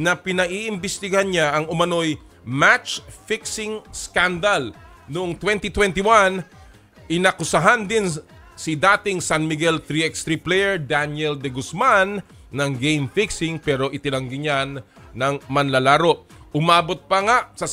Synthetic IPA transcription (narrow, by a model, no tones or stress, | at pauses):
nɐpɪnɐʔiʔɪmbɪst̪ɪɡɐɦanɲaʔɐŋʊmɐno̞j | mat͡ʃfɪksɪŋskand̪al | nʊʔoŋt̪wɛnt̪it̪wɛnt̪iwan | ʔɪnɐkʊsɐɦand̪ɪn | sɪd̪aːt̪ɪŋsanmɪɡɛlt̪ɾiɛkst̪ɾiplɛjɛɹd̪anɛld̪ɛɡʊsmanː | ɐŋɡejmfɪksɪŋpɛːɾo̞ʔɪt̪ɪnɐŋɡɪɲanː | ɐŋmɐnlɐlaːɾo̞ʔ | ʔʊmaːbo̞t̪̚pɐŋaʔsɐ